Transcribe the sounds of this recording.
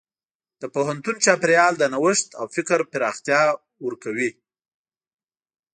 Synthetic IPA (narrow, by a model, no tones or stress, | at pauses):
d̪̥əpoɦant̪unt͡ʃɑpɪɾjɑld̪ənawəʂt̪awfɪkɾpɪɾɑxt̪jɑ | wəɾkawi